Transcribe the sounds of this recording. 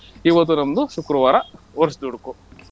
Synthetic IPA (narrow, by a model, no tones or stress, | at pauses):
iʋɐt̪ːunɐmd̪uʃukɾɐʋaːɾɐʋɐɾsd̪uɽku